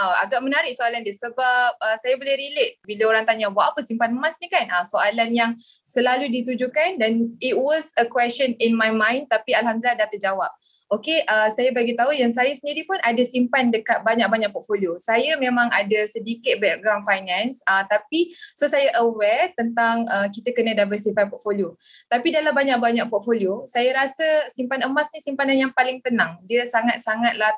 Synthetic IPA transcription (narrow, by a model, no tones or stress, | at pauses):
aa̰ɡaʔmənaɾɪʔ̚soalandəsəbap̚əsajabolɛhɾilet̪̚biləoɾaŋt̪aɲabaʔapəsimpanmasɲikanəsoʔalanjaŋsəlaludit̪ud͡ʒukandanit̚wɔzəkwɛst͡ʃəninmajmãjnt̪apialɦamd̪ulilaɦdat̪əd͡ʒawap̚ | okeʔəsajabaɡit̪aɦujaŋs̬ajasəndiɾipʊnʔadasimpandəkat̪̚baɲak̚baɲaʔk̚pɔt̪̚foliosajəmẽmãŋadəsədikɪt̪̚bɛk̚ɡɾawnfajnɛ̃nsət̪apisosajəʔəwɛrt̪ənt̪aŋəkit̪əkənədabətsifajpɔt̪̚folio | t̪apidalabaɲak̚baɲak̚pɔt̪̚foliosajəɾasəsimpanəmasnĩsimpananjaŋpalɪŋt̪ənaŋdiəsaŋat̪̚saŋat̪̚lah